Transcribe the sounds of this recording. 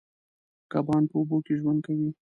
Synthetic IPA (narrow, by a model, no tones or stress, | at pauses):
kabɣɑnpəʊbokeʒwand̪̚kawi